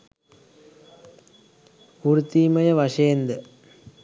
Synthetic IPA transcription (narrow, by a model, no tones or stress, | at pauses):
kuɾut̪ːiːmɐjɐʋɐʂeːnd̪ə